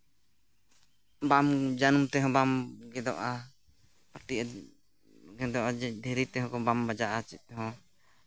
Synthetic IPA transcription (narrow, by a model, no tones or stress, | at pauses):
bamd͡ʒanumt̪ɛɦɔ̃bamɡɛd̪ɔ̰ʔa | paɾʈ̪iʔ | ɡɛd̪ɔʔad̪ʱɛɾit̪ɛɦɔ̃kɔbambad͡ʒaʔat͡ʃit̪̚ːɛɦɔ̃